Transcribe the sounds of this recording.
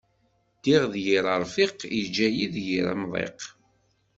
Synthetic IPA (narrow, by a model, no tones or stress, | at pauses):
d̪̥iʁðjiɾˤəɾˤfiqid͡ʒːæjiðjiɾə̰mðˤḛq